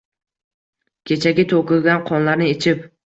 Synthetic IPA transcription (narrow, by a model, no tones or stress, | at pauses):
kʲʰe̞t͡ʃʰaɡʲɪt̪ʰokɪlˠɡʲanqʰɒnlaɾnɪet͡ʃʰɪp